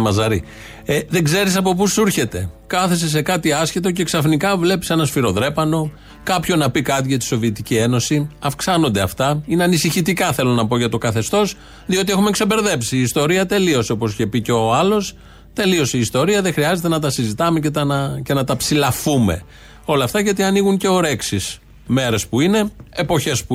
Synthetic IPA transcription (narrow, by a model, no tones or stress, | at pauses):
mɐzɐɾi | eðeɡze̞ɾisɐpo̞p̬usuɾçe̞t̪e̞kɐθe̞se̞se̞kɐt̪iɐscet̪o̞ce̞ksɐfnikɐvle̞pi̥se̞nɐsfiɾo̞ðɾe̞pɐno̞ | kɐpço̞nɐpikɐt̪̬iʝɐt̪i̥so̞viet̪icie̞no̞siɐfksɐno̞nd̪e̞ɐft̪ɐineɐnisiçit̪ikɐθe̞lo̞nɐpo̞ʝɐt̪o̞kɐθe̞st̪o̞s | ðio̞t̪ie̞xume̞kse̞be̞ɾðe̞psiːst̪o̞ɾiɐt̪e̞lio̞seo̞po̞sçe̞piceoɐlo̞s | t̪e̞lio̞siːst̪o̞ɾiɐðexɾiɐze̞t̪e̞nɐt̪̬ɐsizit̪ɐme̞cet̪ɐce̞nɐt̪ɐpsilɐfume̞̰ | o̞lɐft̪ɐʝɐt̪iɐniɣuŋce̞o̞ɾe̞ksis | me̞ɾe̞spuine̞ːpo̞çe̞spu